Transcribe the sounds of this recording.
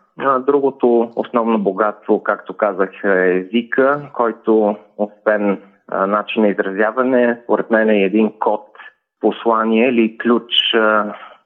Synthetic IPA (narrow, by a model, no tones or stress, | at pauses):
nəd̪ɾuɡot̪oo̰snɔvnoboɡat̪st̪vokakt̪okazəxɛɛzikʰəkɔjt̪oosvɛn | nat͡ʃinːɐizɾɐzʲjavɐnɛspoɾɛt̪mɛnɛɛd̪inkɔt̪ | poslˠaniɛiliklʲut͡ʃ